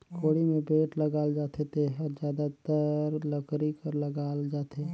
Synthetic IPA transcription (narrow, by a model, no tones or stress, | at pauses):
koːɽimẽbeːʈləɡaːld͡ʒaːt̪ʰet̪ʰeɦəɾd͡ʒjaːd̪at̪əɾləkɾikəɾləɡaːld͡ʒaːt̪ʰeː